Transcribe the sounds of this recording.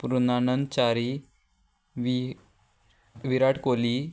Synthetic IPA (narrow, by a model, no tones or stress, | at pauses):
puɾunanənt͡ɕaɾi | ʋ | ʋiɾaʈʰkoli